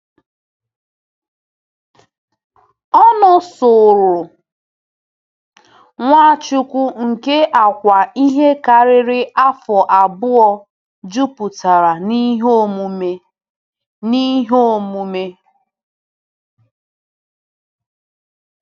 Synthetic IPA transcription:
ɔ˦nʊ˨so˨ɾʊ˨ | ŋʷa˦˨t͡ʃʊ˨kʷʊ˦ŋ̩˨ke˦ʔa˨kʷa˨i˦ɦe˦ka˨ɾɪ˦ɾɪ˦ʔa˦fɔ˨ʔa˨bʊ˦ɔ˦ | d͡ʒu˦pʊ˨ta˨ɾa˨ni˦ɦo˦˨mu˨me˦ | ni˦ɦo˦˨mu˦me˦

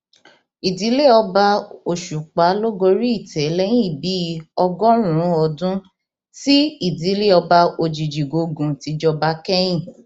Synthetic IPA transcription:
i˨di˨˦le˦ɔ˧ba˧o˨ʃu˨k͡pa˨˦lo˦ɡo˧ɾi˦i˦˨tɛ˨˦lɛ˦j̃ĩ˦˨bi˨˦˧ɔ˧ɡɔ˦ɾũ˨ɾũ˨˦ɔ˧dũ˦ | ti˦i˦˨di˨˦le˦ɔ˧ba˧o˧d͡ʒi˨d͡ʒi˨ɡo˨˧ɡũ˨ti˨˧d͡ʒɔ˧ba˧˦kɛ˦j̃ĩ˦˨

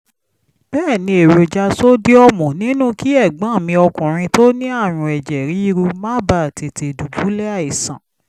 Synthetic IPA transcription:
b̥ɛː˦˨nĩ˧e˨ɾo˧d͡ʒa˧so˦di˦ɔ˦˨mɔ̃˨nĩ˨˦nũ˦ki˦ɛ˦˨ɡ͡bã˨˦˨mĩ˧ɔ˧kũ˨ɾ̃ĩ˧to˦nĩ˦a˦˨ɾ̃ũ˧˨ɛ˨d͡ʒɛ˨ɾi˨˦i˦ɾu˧mã˦ba˦˨te˨te˨du˨bu˨˦lɛ˦a˦˨i˨sã̰˨

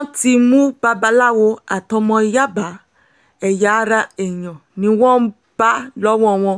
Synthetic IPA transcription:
ti˧mũ˦ba˧ba˧la˦˨wo˧a˨tɔ̃˧mɔ̃˧˦ja˦ba˨˦ | ɛ˨ja˨˦ɾa˧ɛ˨ɲ̃ɔ̃˨nĩ˨˦wɔ̃˦ | b̥a˦lɔ˦wɔ̃˦ɔ˨˧˨w̃ɔ̃˧

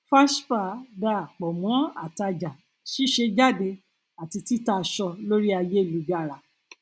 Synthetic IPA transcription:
fa˦ʃfa˧˨da˦˨k͡pɔ˨mɔ̃˨˦a̰˨ta˧d͡ʒa˨ | ʃi˦ʃe˧d͡ʒa˦˨de˧ | a˨ti˧ti˦ta˧ʃɔ˧lo˦ɾi˦a˧je˦˨lu˨˦ɡa˦˨ɾa˨

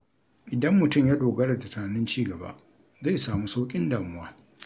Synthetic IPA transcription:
ʔɪ˨dɐ˦mːʊ˨tʊ˦˨mjaː˦doː˨ɡɐ˦ɽa˨ta˨ta˨a˨nɪ˦nt͡ʃiː˦˨ɡɐ˨ba̰˦ | za˦˨saː˨muː˦sa˦wkʲʼɪ˦ndaː˨mʊ˦waː˦

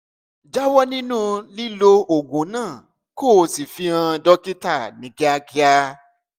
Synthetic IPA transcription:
d͡ʒa˦wɔ˦nĩ˦nũ˦li˦lo˧o˨ɡũ˨˦nãː˦˨ | ko˦˨˧si˨fi˧ã˧dɔ˦ki˦ta˦˨nĩ˨ɡe˦a˧ki˧a˧

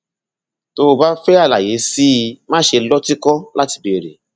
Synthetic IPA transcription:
to˧˦˧ba˦fɛ˦a˦˨la̰˨je˨˦si˦˧mãː˦ʃe˧lɔ˦ti˦kɔ˦la˦ti̥˧be˨ɾḛ˨

